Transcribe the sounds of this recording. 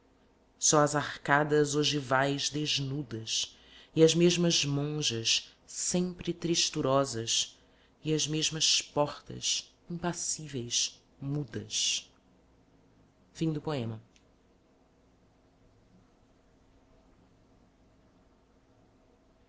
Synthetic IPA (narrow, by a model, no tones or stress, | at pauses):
sɔɐzaχkad̪ɐzoʒivajzd̪eʒnud̪ɐs | ɪɐzmeʒmɐzmõʒɐʃ | sẽmpɾɪt̪ɾiʃt̪uɾɔzɐs | ɪɐzmeʒmɐspɔχt̪ɐ̰s | ĩpasivejs | mud̪ɐ̰s | fĩd̪ʊpoẽmɐ